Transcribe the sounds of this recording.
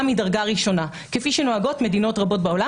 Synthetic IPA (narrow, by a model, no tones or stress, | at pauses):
midaʁɡaʁiʃo̞na | kefiʃeno̞aɡo̞tme̞dino̞tʁabo̞t̚beola